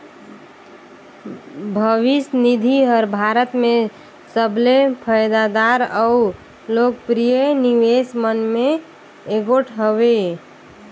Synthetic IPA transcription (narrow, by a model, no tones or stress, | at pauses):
bʱəʋisnid̪ʱiɦəɾbʱaɾət̪me | səblepʰəjd̪ad̪aɾəu | lok̚pɾijəniʋesmənmeː | ɡoʈʰɦəʋe